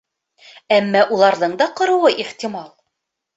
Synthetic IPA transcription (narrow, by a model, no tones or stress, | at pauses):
æmːæʔulˠɑɾðɤɴd̪ɑqŏɾɤ̆wɤʔiχt̪ʲimɑlˠ